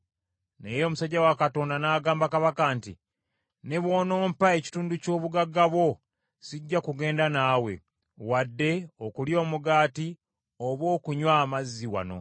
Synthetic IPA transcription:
nejo̞ːmusaɟːawakato̞ːndanaːɡaːmbakaβakantḭ | ne̞βwo̞ːno̞ːmpae̞ci̥tuːnduco̞ːβuɡaɡːaβwo̞ | siɟːakuɡe̞ːndanaːwe̞̰ | wadːe̞o̞kuljo̞ːmuɡaːti | oβo̞ːkuɲwaːmazːiwa̰no̞̰

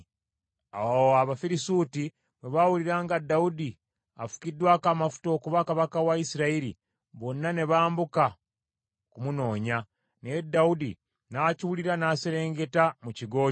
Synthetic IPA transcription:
aaβafiɾisuːti | mweβawuliɾaːŋɡadaudi | afu̥kidwaːkaːmafu̥to̞ːkuβakaβakawaisiɾaiɾḭ | βo̞nːane̞βaːmbuka | kumuno̞ːɲa | nedːaudḭ | naciwuliɾanaːseɾe̞ːŋɡe̞tamuciɡo̞ː

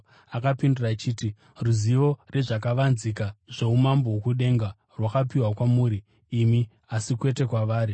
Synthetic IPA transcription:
akapindurat͡ʃiːti | ruziʋo̞re̞ʐak̬aʋanzikaʐ̥e̞umambowokuɗe̞ŋɡa | rwakapiwakwamuːɾiː | mi | asikwe̞te̞kwaʋaːɾi

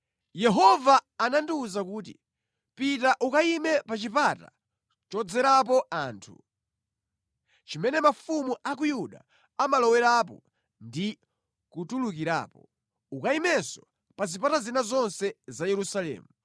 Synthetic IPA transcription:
jɛɦɔvaːnandiuzakuːtḭ | pitaʔukaimɛpat͡ʃipata | t͡ʃɔd͡zɛɾap̬ɔaːntʰṵ | t͡ʃimɛnɛmafumuʔak̬ujuɗa̰ | amalɔwɛɾapɔ | ndi | kutulukiɾa̰ːpɔ | ukaimɛsɔ | pazipatazinazɔnsɛzajɛɾusalɛ̰ːmu

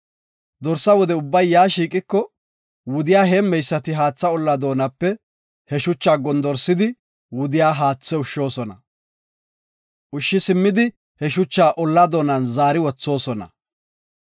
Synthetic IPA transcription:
d̪ɔɾsːɐwɔd̪ɛʊbːɐjːaːʃiːkʼɪkːɔ | wʊd̪ɪjaːɦɛmːɛjsːɐt̪ɪɦaːt͡sːɐɔlːɐd̪o̞ːnɐpːɛ | hɛʃʊt͡ʃːaːɡɔnd̪ɔɾsːɪd̪ɪ | wʊd̪ɪjaːɦaːt͡sːɛʊʃːo̞ːsɔnɐ | ʔʊʃːɪsɪmːɪd̪ɪ | hɛʃʊt͡ʃːaːʔɔlːɐd̪o̞ːnɐnzaːɾɪwɔt͡sːo̞ːsɔnɐ̰

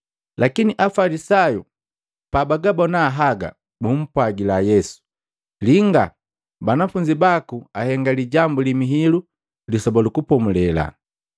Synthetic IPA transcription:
lʔakiniʔafalisaju | pabaɡabɔnaːɦaɡa̰ | mum̩pwaɡilajɛsu̥ | liŋɡa̰ | banafuɲd͡ʒibakuahɛŋɡaliɟambulimiɦilu | lisɔbalukupɔmulɛla̰

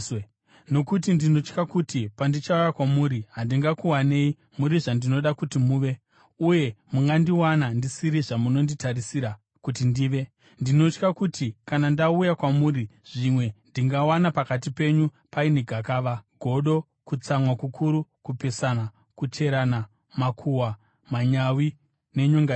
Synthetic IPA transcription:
no̞kutindino̞t͡ʃkakutipandit͡ʃaujakwamuːɾiɦandiŋɡakuwaneːi | muɾiʐandino̞ɗakutimuːʋe̞ | uje̞muŋɡandiwanandisiɾiʐamuno̞nditarisiɾa | kutindiːʋe̞ | ndino̞t͡ʃkakutʰikanandaujakwamuːɾiʐ̥imwe̞ndiŋɡawanapakat̬ipe̞ɲu | paineɡʱakaːʋaɡʱo̞ɗo̞ | kut͡samwakukʰuɾukupe̞sana | kute̞ɾana | makʰuwa | maɲawi | ne̞ɲoŋɡa

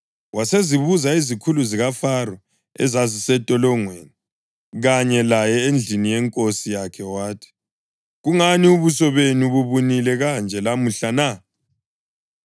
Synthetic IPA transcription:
waseziβuzaizikʰuluziɣafarɔ | ɛ̰zazisɛtʼɔlɔŋweni | ɣaɲɛlajɛend͡ɮʱinijɛŋkʼosijakʰɛwaːtʰi̥ | ɣuŋaniuβusɔβenuβuβunilɛɣand͡ʒʱɛlamuɬana

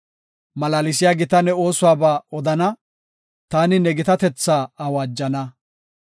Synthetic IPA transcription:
mɐlaːlɪs̬ɪjaːɡɪt̪ɐnɛo̞ːsʊwaːbaːɔd̪ɐnɐ | t̪aːnɪnɛɡɪt̪ɐt̪ɛt͡sːaːɐwaːd͡ʒːɐnɐ

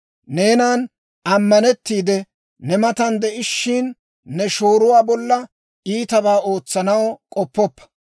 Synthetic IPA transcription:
ne̞ːnaːn | ʔɐmːɐnɛt̪ːiːd̪ɛ | nɛmɐt̪ɐnd̪ɛʔɪʃːɪnː | ɛʃoːɾʊwaːbɔlːɐ | iːt̪ɐbaːʔo̞ːt͡sːɐnɐwkʼɔpːɔpːɐ̥

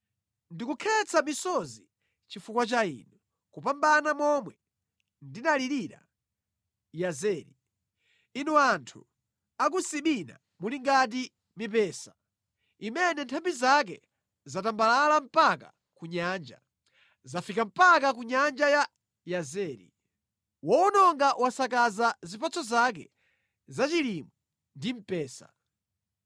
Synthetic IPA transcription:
ndikukʰɛt͡sʰamisɔzi | t͡ʃifukwat͡ʃaḭːnɛ | kupambanamɔmwɛ | ndinaliɾiɾa̰ | jazɛːɾi | inuantʰṵ | ak̬usiɓina̰ | muliŋɡat̬i | mipɛːsḁ | imɛnɛntʰambizak̬ɛ̰ | zatambalalam̩paka | kuɲaːnd͡ʒa̰ | zafikam̩pakak̬uɲand͡ʒaja | jazɛːɾḭ | wɔɔnɔŋɡawasakazazipat͡sɔzak̬ɛ̰ | zat͡ʃilimɔ | ndim̩pɛːsa̰

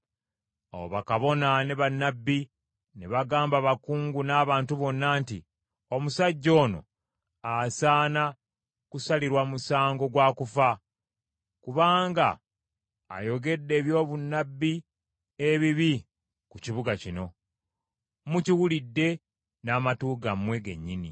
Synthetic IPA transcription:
o̰woβakaβo̞naneβanːabːi | neβaɡaːmbaβakuːŋɡunaːβaːntuβo̞nːaːntḭ | omusaɟːo̞ːno̞̰ | asaːna | kusaliɾwamusaːŋɡo̞ɡwaːkufa | kuβaːŋɡa̰ː | jo̞ɡe̞dːe̞ːβjo̞ːβunːabːi | eβiβi | kuciβuɡacino̞ | muciwulidːe̞ | naːmatuːɡamwe̞ɡe̞̰ɲːini

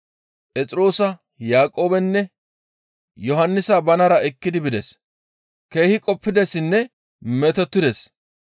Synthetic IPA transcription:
pʼɛt͡sʼɪɾo̞ːsɐ | jaːkʼo̞ːbɛnːɛ | jɔɦɐnːɪsɐbɐnɐɾɐɛkːɪd̪ɪbɪd̪ɛs | ke̞ːhɪkʼɔpːɪd̪ɛsɪnːɛ | mɛt̪ɔt̪ːɪd̪ɛs

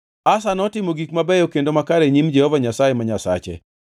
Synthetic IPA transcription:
asanɔtɪmoɡikmabɛjokendomakaɾeɲimd͡ʒɛhɔvaɲasajemaɲasa̰t͡ʃɛ̰

